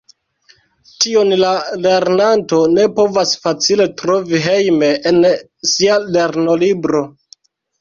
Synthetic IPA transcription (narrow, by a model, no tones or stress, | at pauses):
tio̞nlale̞ɾnanto̞ne̞po̞vasfat͡sile̞tɾo̞viɦe̞jme̞ʔen | siale̞ɾno̞libɾo̞